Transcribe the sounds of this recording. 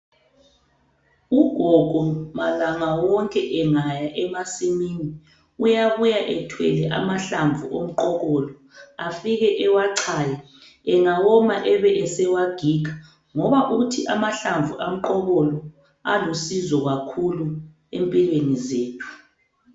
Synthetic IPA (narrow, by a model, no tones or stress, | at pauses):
uɡ̥ʱɔɡ̥ʱɔmalaŋawɔŋkʼɛʔɛŋajaʔɛmasimiːni | ujaβujaʔɛtʰwɛ̰lɛʔa̰maɬaɱvuʔom̩ǃɔɣɔlɔ | afiɣɛʔɛwaǀʰaja | ɛŋawɔmaʔɛβɛʔɛsɛwaɡ̥ʱiːɡʱḁ | ŋɔβaʔutʰiʔamaɬaɱvʱuʔam̩ǃɔɣɔlɔ | alusizɔɣakʰulu | empʼilwenizeːtʰu̥